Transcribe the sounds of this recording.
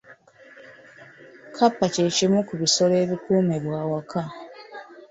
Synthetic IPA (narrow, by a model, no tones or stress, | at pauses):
kʰapːaceːcimukuβiso̞le̞ːβikuːmeβwaːwakʰa